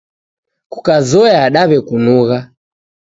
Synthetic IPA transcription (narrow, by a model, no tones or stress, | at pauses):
ku̥kazɔjaːɗaβɛkunuɣa